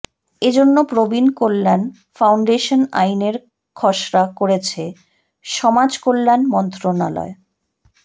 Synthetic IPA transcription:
ed͡ʑonːopɾobinkolːan | fawɳɖeʃona̰jneɾ | kʰɔʃɾakoɾet͡ɕʰe | ʃɔmad͡ʑkolːanmɔnt̪ɾona̰lɔ̰e

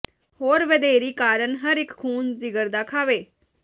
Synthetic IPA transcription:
hoːɾʋəd̪eːɾiːkaːɾənɦəɾɪkkʰuːnzɪɡəɾd̪aːkʰaːʋeː

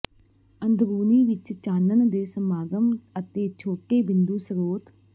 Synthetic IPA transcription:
ənd̪ʱbuːniːʋɪt͡ʃt͡ʃaːnənd̪eːsəmaːɡəmət̪eːt͡ʃʰoːʈeːbɪnd̪uːsəɾoːt̪

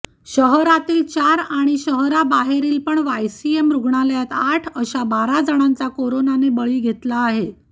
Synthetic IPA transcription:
ɕəɦɾat̪iːlt͡ɕaɾaɽ̃iɕəɦɾabaɦeɾiːlpəɳʋajsiemɾuɡɳaljat̪aʈʰəɕabaɾad͡zəɽ̃ãnt͡sakoɾonanebəɭiːɡʱet̪laːɦe

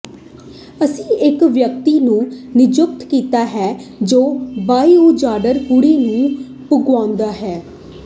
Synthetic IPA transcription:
əsĩːɪkʋjək̚t̪iːnũːnɪd͡ʒʊk̚t̪kiːt̪aːɦɛːd͡ʒoːbaːiuːd͡ʒaːɖəɾkuɽiːnũː | pʊɡʋãːnd̪aːɦɛː

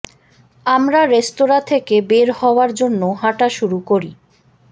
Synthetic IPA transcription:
amɾaɾest̪oɾat̪ʰekebeɾhɔoaɾd͡ʑonːoɦaʈaʃuɾukoɾḭ

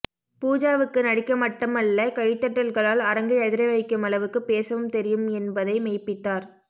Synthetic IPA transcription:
puːd͡ʒaːʋɯkːɯnɐɽɪkːɐmɐʈːɯmɐɭːɐkɐjt̪ːɐʈːɐlɣɐɭaːlɐɾɐŋɡɯɛðɪɾɐɪʋɐɪkːɯmɐɭɐʋɯkːɯpeːsɐʋɯmt̪ɛɾɪjɯmɛnbɐðɐɪmɛɪpːɪt̪ːaːɾ

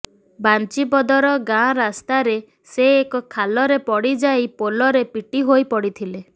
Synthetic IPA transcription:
bant͡ʃibɔd̪ɔɾɔɡãɾast̪aɾe | seːkɔkʰalɔɾepɔɽid͡ʒajpolɔɾepiʈiɦojpɔɽit̪ʰile

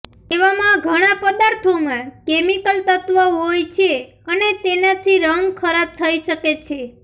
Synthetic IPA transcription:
eʋamãɡʱəɽ̃apəd̪aɾt̪ʰomãkemikəlt̪ət̪ʋəɦojt͡ʃʰe | ənet̪enat̪ʰiɾəŋɡkʰəɾab̚t̪ʰəiʃəket͡ʃʰe

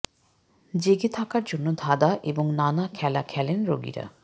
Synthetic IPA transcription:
d͡ʑeɡet̪ʰakaɾd͡ʑonːod̪ʱad̪aʔeboŋnanakʰɛlakʰɛlenɾo̰ɡḭɾa̰

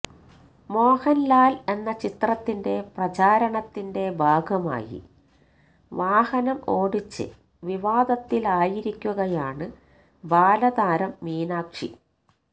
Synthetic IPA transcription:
mo̞ːhɐnlaːle̞nːɐt͡ɕit̪rɐt̪ːinde̞prɐt͡ɕaːɾɐɳɐt̪ːinde̞bʱaːɡʱɐma̰ːjḭ | ʋaːhɐnɐmo̞ːɽit͡ɕːɨ̰ | ʋiʋaːd̪ɐt̪ːilaːjiɾikʲːuɣɐjaːɳɨ | bʱaːlɐd̪aːɾɐmːiːnaːkʂḭ

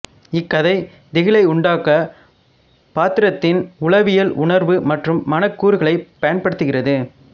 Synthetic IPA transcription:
ɪkːɐðɐɪ | d̪ɪɣɪlɐɪʊɳɖaːkɐ | paːt̪ɪɾɐt̪ːɪnʊɭɐʋɪjɐlʔʊɳɐɾʋɯmɐʈrɯmːɐnɐkːuːɾɯɣɐɭɐɪpːɐjɐnpɐɽɯt̪ːɯɣɪrɐðɯ

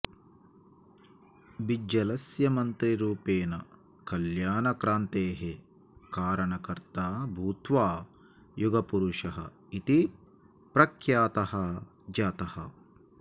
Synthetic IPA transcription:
bid͡ʒɐlɐsjɐmɐnt̪ɾiɾuːpeːnɐ | kɐljaːnɐkɾaːnt̪eːɦe | kaːɾɐɳɐkɐɾt̪aːbʱuːt̪ʋaː | juɡɐpuɾuʂɐɦɐ̰ | it̪i | pɾɐkʰjaːt̪ɐhɐ | d͡ʒaːt̪ɐhɐ̰

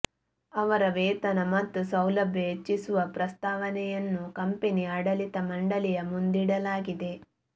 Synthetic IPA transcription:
ɐʋɐɾɐʋeːt̪ɐnɐmɐt̪ːusɐwlɐbʱjɐɦet͡ʃːisuʋɐpɾɐst̪aːʋɐnɛjɐnːukɐmpeniɐɽɐlit̪ɐmɐɳɖɐlijɐmund̪iɽɐlaːɡid̪e̞

